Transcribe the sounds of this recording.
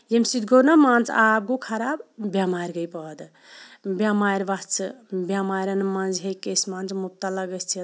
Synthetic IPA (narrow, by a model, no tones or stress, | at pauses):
jemsid̪ɡonamant͡sʰab̚ɡukʰɐɾabbjamaɾɡəjpəd̪ | bʲjamajɾʋast͡sʰbjamajɾɐnmand͡ʒɦekːesmant͡ʃmup̚t̪alɐɡəst͡ʃʰit̪